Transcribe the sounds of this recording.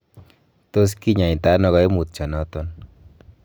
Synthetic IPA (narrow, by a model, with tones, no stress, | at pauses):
to˦s̬ki˦ɲa˨i˨t̪a˦nɔ˦˨ɣɔ˨˦jmu˨t̪̚t͡ʃa˨nɔ˦t̪ɔ˦n